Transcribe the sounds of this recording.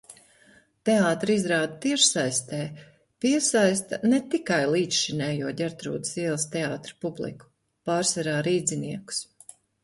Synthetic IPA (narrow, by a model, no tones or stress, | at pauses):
t̪eaːt̪ɾizɾaːd̪̚t̪iɛʃsajst̪ɛː | piɛsajst̪ɐnɛt̪ikajlˠiːt̪ʃʃinʲɛːjuɔd̪ʲɛɾt̪ɾṵːd̪siɛlˠst̪eaːt̪ɾḁpublˠḭku̥ | paːɾsaɾaːɾiːd̪zʲiniɛku̥s